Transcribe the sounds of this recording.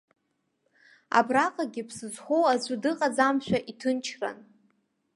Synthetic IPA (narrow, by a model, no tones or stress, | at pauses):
a̰braqʼaɡʲɪpʰsɨzχʷowazʷʊdɨqʼad͡zamʃᶣaʔitʰɨnt͡ʃʰra̰n